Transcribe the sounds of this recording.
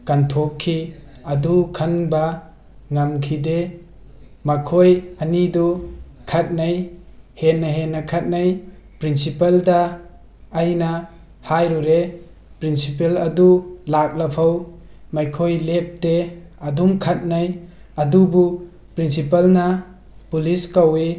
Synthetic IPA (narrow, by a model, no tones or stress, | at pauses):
kantʰokkʰːi | ɐdukʰanba | ŋamkʰide | makʰojanidɔkʰat̚najhenːaɦenːakʰat̚naj | pɾinsipaldaː | jna | hajɾuɾe | pɾinsipelɐdulak̚lapʰawmajkʰojlep̚te | ɐdumkʰat̚naj | ɐdubu | pɾinsipalna | puliskawi